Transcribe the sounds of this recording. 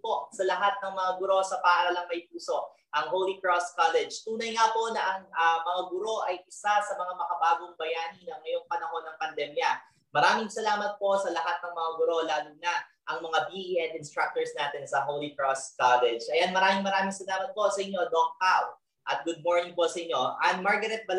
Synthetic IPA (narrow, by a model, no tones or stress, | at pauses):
posɐlɐɦat̪̚nɐŋmɐŋaɡʊɾo̞sɐpaːɾɐlɐŋmɐjp̚uːso̞ʔ | ʔɐŋɦowlikɹoskalɛd͡ʒt̪uːnɐjŋapo̞nɐʔɐŋɐmɐŋaɡʊɾo̞ʔɐjʔɪsasɐmɐŋamɐkɐbaːɡoŋbɐjaːninɐŋːɐjo̞ŋpɐnɐho̞nːɐŋpɐnd̪ɛmjɐ | mɐɾaːmɪŋsɐlaːmɐt̪̚po̞sɐlɐɦat̪̚nɐŋmɐŋaɡʊɾo̞laːlʊɡ̚nɐʔɐŋmɐŋabiʔiʔɛnd̪ɪnst̪ɾak̚t̪oɹsnaːt̪ɛnsɐɦowlikɹoskalɛd͡ʒʔɐjanmɐɾaːmɪŋmɐɾaːmɪŋsɐlaːmɐt̪̚po̞sɐʔɪɲːo̞d̪oŋpaw | ʔɐt̪̚ɡʊd̪̚moɹnɪŋpo̞sɐʔɪɲːo̞ʔɐnmaɹɡɐɾɛt̪̚bɐ